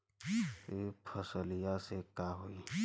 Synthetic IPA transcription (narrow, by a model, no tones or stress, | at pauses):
epʰəsəlijasekaɦoi